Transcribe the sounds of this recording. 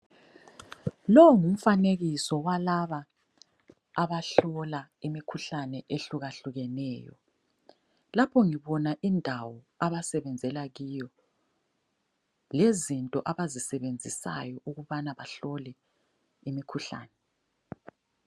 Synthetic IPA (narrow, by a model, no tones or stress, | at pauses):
lɔwŋum̩faneɣisɔwalaβa | βaɬɔlaimikʰuɬanɛʔeɬuɣaɬuɣɛnɛːjɔ̰ | lapʰɔŋiβɔnaʔindʱawɔ | aβasɛβɛnd͡zʱɛlaɣiːjɔ | lezintʼɔʔaβazisɛβend͡zʱisa̰jɔʔuɣuβanaβaɬɔlɛ | imikʰuɬa̰ːnɛ